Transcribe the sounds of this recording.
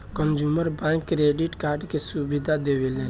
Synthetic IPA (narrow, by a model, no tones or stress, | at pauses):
kənd͡ʒuməɾbãŋkːɾeɖiʈkaɾɖkesubid̪ʱad̪eʋelɛ̃